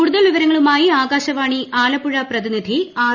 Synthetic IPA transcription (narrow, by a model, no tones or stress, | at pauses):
uɽuðɐlʋiʋɐɾɐŋːɐɭumaːjiaːɡaːɕɐʋaːɳiʔaːlɐpːuɻɐprɐðinid̪ʱiaː